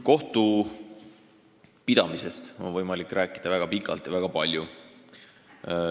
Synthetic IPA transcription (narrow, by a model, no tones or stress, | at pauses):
ko̞ht̪u | pid̪̥ɑmise̞st̪o̞̰nvɤjmɑlikːˑɾʔæːkˑːid̪̥ɑvæɡ̥ɑpikːˑɑlt̪jɑvæɡ̥ɑpɑlʲju